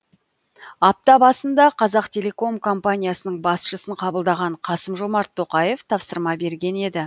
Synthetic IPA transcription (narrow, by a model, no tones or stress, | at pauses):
ɑp̚t̪ɑbɑsənd̪ɑqʰɑzɑqt̪ʲʰe̞le̞ko̞mkʰo̞mpanʲijasənəɴbɑsʃəsəɴqʰɑbəlˠd̪ɑʁɑɴqʰɑsəmʒo̞mɑɾt̪ʰːo̞qɑje̞ft̪ʰɑpsəɾmɑbe̞ɾɡʲe̞ne̞d̪ɪ